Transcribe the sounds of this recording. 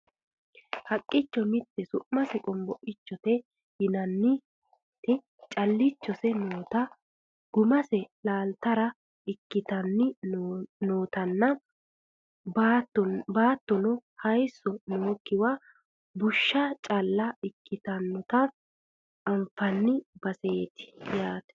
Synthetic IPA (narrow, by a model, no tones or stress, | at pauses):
hɐkʼːɪt͡ʃːɔmɪt̪ːɛsʊʔmɐsɛkʼɔmbɔʔɪt͡ʃːɔt̪ɛ | hɪnɐnːɪ | t̪ɪ | t͡ʃʼɐlːɪt͡ʃːɔsɛnoːt̪ɐ | ɡ̥ʊmɐsɛlaːlt̪ɐɾɐ | ɪkːɪt̪ɐnːɪ | noːt̪ɐnːɐ | baːt̪ːɔnɔhɐjsːɔnoːkːɪwaː | bʊʃːɐt͡ʃʼɐlːɐɪkːɪt̪ɐnːɔt̪ɐ | ʔɐɱfɐnːɪbɐse̞ːt̪ɪ̥jaːt̪ɛ̥